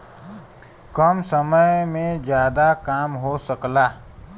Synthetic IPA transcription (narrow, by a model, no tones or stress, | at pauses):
kəmsəməjmẽd͡ʒjaːd̪akaːmɦosəklaː